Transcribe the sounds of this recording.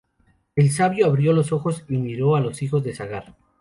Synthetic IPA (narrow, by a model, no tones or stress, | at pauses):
e̞ls̬aβjo̞aβɾjo̞lo̞so̞xo̞simiɾo̞alo̞sixo̞zðe̞saɣaɾ